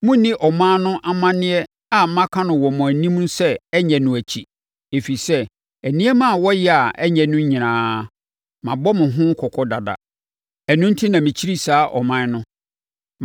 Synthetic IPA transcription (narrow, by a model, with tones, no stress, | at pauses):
mʊ̃˦nĩ˦ʔɔ˨mã˦nʊ̃˦ʔa˨mã˦nɪ̃˦ɛ˦ | a˨m̩˦mã˦kʰã˦nʊ̃˨wɔ˨mʊ̃˨æ˨nĩ˦m˦n̩˦sɛ˦ɛ˦ɲɛ̃˨nʊ̃˨æ˨t͡ɕʰi˨ | e˨fi˨sɛ˦ | æ˨nĩ˦ɛ˦mã˦˨wɔ˦jɛ˦a˨ʔɛ˦ɲɛ̃˨nʊ̃˦ɲĩ˨nãː˨˦ | mã˨bɔ˦mɪ̃˨ɦʊ̃˦kʰɔ˨kʰɔ˦da˨da̰˨ | ɛ˨nʊ̃˦n̩˦tʰi˦nã˨mĩ˨t͡ɕʰi˦ɾi˦saː˦ʔɔ̰˨mã˦nʊ̃˦